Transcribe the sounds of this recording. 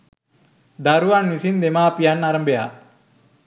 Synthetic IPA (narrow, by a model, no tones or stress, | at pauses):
d̪aɾuʋanːisind̪emapijanːaɾɐmbeja